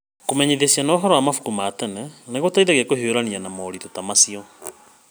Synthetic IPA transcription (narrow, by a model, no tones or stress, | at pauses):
komɛɲeðesianɔːɦɔɾɔamafu̥kumaːtɛnɛneɣotaiðaɣakoɦeoɾanianamɔːɾitotamasiɔ